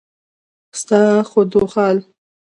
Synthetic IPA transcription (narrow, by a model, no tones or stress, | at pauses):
st̪ɑxod̪oxɑːl